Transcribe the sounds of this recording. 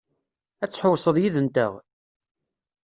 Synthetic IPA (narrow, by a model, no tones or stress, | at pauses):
æt͡sːħosˤəðˤjiðənt̪ə̰ʁ